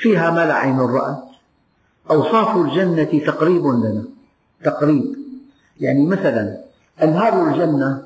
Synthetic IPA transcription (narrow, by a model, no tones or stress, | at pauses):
fiːɦamalaʕajnɪrˤːɑ̰ʔ | ʔɑwsˤɑːfʊld͡ʒanːat̪t̪ɑqɾiːbɪnd̪ana | t̪ɑqɾiːb | jaʕnimaθalan | ʔɪnɦɑːɾˤald͡ʒanːa